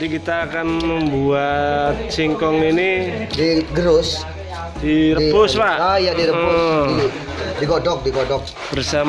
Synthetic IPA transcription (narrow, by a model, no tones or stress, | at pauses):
dikit̪aːkanmbuat̪̚t͡ʃiŋkɔŋinidiɡəɾʊs | d̥iɾəpʊspaʔajadiɾəi | dikɔɖɔk̚dikɔdɔk̚ | bərsa